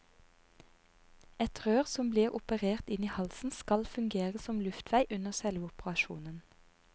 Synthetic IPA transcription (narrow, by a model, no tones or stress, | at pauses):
ɛt̪ʁøːʁsɔmbliːʁʊpəʁeːʁt̪ɪniːhɑlsn̩skɑlfʉŋɡeːʁəsɔmlʉft̪ʰʋæɪʔʉnəʁsɛlʋəʊpəʁɑʃṵːnən